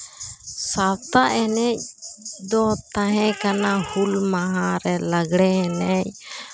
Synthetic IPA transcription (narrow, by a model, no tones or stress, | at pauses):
sat̪aʔɛnɛc̚d̪ɔt̪ãɦɛ̃kanahulmaɦãɾɛlaɡɽɛɦɛnɛc̚